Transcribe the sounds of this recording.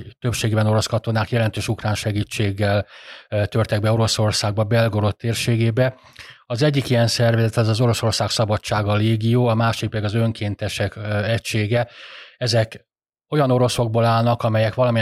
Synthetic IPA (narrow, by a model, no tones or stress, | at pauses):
t̪ø̞pʃeːɡeːbɛno̞ɾo̞skɒt̪o̞naːkjɛlɛnt̪øːʃukraːnʃɛɡiːt͡ʃːeːɡːɛlt̪ørt̪ɛɡ̚bɛo̞ɾo̞so̞rsaːɡ̚bɒbɛlɡo̞ɾo̞t̪ːeːrʃeːɡeːbɛ | ɒzɛɟːikijɛnsɛrvɛzɛt̪ɛzɒzo̞ɾo̞so̞rsaːksɒbɒt͡ʃːaːɡɒleːɡijoːɒmaːʃik̚pɛiɡɒzø̞ŋkʰeːnt̪ɛʃɛkɛcʃeːɡɛɛzɛk | o̞jɒno̞ɾo̞so̞ɡ̚bolaːlnɒkɒmɛjɛkʋɒlɒmi